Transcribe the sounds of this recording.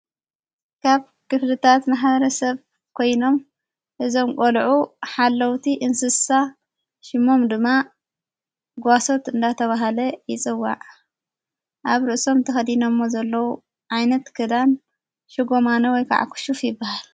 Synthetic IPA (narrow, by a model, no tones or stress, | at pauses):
kʰaβ | kɨflɨt̪ʰat̪maħβɐɾɐsɐβ | kʰo̞jno̞m | ʔɨzo̞mkʼolʕuħalːɐwt̪ʰiʔɨnsɨsa | ʃɪmːo̞md̪ɨmːa | ɡaso̞t̪ɨnd̪at̪ʰɐβaɦalɐjɪt͡sʼɨwːa̰ʕ | ʔaβɾɨʔso̞mt̪ʰɐxɐd̪inomːozɐlːɐwu | ʕajnɐt̪kʰɨd̪an | ʃɨɡo̞manɐwɔjkʰa̰ʕa̰kʰu̥ʃufjɪbːahal